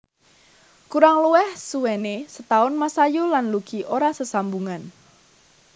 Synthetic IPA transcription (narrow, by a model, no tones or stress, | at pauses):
kuɾaŋluɛhsuwɛnesət̪aʊnmasajulanluɡ̥iʔoɾasəsambuŋan